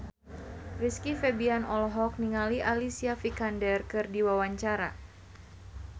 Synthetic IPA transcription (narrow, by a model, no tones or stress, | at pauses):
riskifɛbianɔlɦɔk̚niŋaliʔalisiafikandɛrkɨrdiwawaɲt͡ʃaɾa̰